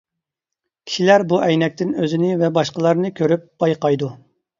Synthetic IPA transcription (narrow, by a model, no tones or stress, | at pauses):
kʲʰi̥ʃilæɾbuɛjnɛk̚ʲt̪ʰɪnøzɪnɪvɛbɑʃqəlˠɑɾnɨkʲʰøɾyp̚b̥ɑjqɑjd̪u